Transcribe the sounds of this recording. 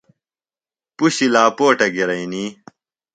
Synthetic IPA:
puɕilaːpoːʈɐɡiɾɐiniː

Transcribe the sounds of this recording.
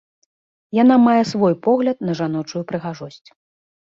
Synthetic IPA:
janamajɛsvɔjpɔɣlʲɐt̪̚nɐʐanɔt͡ʂujupɾɨɣaʐɔsʲt͡sʲ

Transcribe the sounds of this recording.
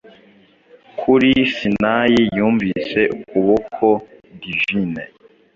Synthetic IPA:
kʰuɾisinajijuːɱvise̞ʔukuβokʰodiʒine

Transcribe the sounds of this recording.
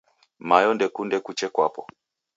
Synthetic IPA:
majɔndɛkundɛkut͡ʃɛkwapɔ

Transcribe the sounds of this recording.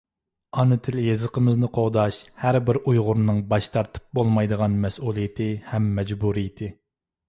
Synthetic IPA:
ɑnɨt̪ʰɪljezəqʰəmɪznɨqʰoʁd̪ɑʃhæɾbɪɾʔujʁʊɾnɨŋbɑʃt̪ʰɑɾt̪ʰɨ̥p̚bolˠmɑjd̪əʁɑnmɛsulˠijɪt̪ʰɪhɛmːɛd͡ʒbuɾijɪt̪ʰɪ

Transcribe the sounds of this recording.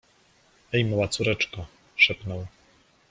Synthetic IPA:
ɛjmawat̪suɾɛt͡ʂka | ʂɛpnɔw

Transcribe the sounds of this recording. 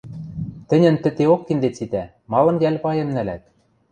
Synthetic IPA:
t̪ɘ̆nʲɘ̆nt̪ɘ̆t̪eokːind̪et͡sit̪æ | mɑlˠɤ̆njælʲpɑjɤ̆mnælæt̪̚

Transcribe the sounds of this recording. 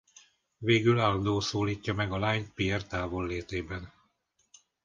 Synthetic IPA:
veːɡylaːld̪oːsoːliːcːɒmɛɡɒlaːɲt̪̚piɛrt̪aːvo̞lːeːt̪eːbɛn

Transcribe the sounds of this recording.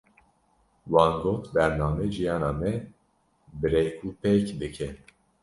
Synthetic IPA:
wɑːnɡoːt̪bɛɾnɑːmɛʒijɑːnɑːmɛ | bɨɾekʰuːpekd̪ɨkʰɛ

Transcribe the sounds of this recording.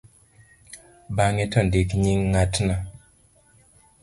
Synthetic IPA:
baŋɛtɔndikɲiŋːatna

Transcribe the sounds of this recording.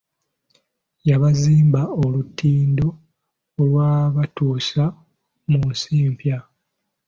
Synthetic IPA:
jaβaziːmbaolutːiːndo̞ː | lwaːβatuːsa | munsiːmpja

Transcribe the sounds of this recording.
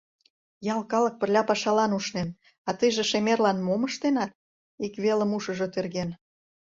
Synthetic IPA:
jɑlkɑlɤ̆k̚pə̆rlʲɑpɑʃɑlɑnuʃnen | ɑt̪əjʒĕʃemerlɑnmoməʃt̪enɑt̪̚ | ikβelə̆muʃə̆ʒot̪erɣen

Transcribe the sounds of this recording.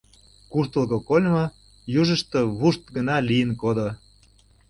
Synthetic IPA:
kuʃt̪ə̆lˠɣokolʲmɤ | juʒə̆ʃt̪ə̆βuʃt̪̚ɡə̆nɑlʲijənkod̪o

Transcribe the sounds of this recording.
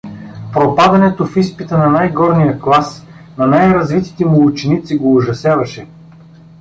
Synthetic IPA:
pɾopad̪ɐnɛt̪ofispit̪ənɐnajɡɔɾnijəklˠas | nɐnajɾɐzvit̪i̥t̪ɛmulˠut͡ʃɛnit̪siɡoːʒɐsjavɐʃɛ

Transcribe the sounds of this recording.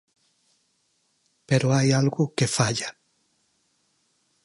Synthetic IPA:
peɾoajalɣukefaʎa

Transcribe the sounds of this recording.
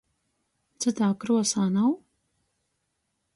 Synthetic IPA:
t͡sɨt̪aːkɾuɔsaːnaw

